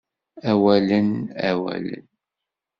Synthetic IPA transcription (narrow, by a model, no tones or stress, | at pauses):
æwælənæ̰wæ̰lə̰n